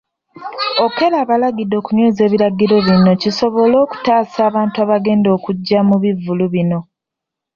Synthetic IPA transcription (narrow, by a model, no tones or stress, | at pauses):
o̞ke̞laːβalaɡido̞ːkuɲoːze̞ːβiɾaɡiɾo̞βino̞ciso̞βo̞lo̞ːku̥taːsaːβaːntuaːβaɡe̞ːndo̞ːkuɟːamuβivːuluβino̞